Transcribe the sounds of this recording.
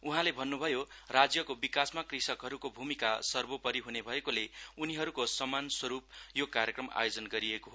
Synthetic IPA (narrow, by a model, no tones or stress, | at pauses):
uɦãlebʱʌnːubʱʌjorad͡zjʌkobikasmakrisʌkɦʌɾukobʱumikasʌrbopʌɾiɦunebʱʌekoleuniɦʌɾukosʌmanswʌɾup̚jokaɾjekrʌma̰jod͡zʌnɡʌɾiekoɦo